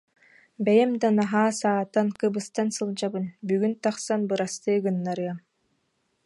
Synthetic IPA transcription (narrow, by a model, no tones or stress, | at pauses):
bɛjɛmd̪anaɦaːsaːt̪ankɯbɯst̪ansɯlˠd͡ʑabɯnbyɡynt̪aχsanbɯɾast̪ɯːɡɯnːaɾɯɐm